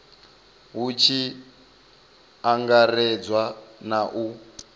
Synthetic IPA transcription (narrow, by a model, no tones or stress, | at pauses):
ɦut͡ʃʰi | aŋɡarɛd͡zwanaʔu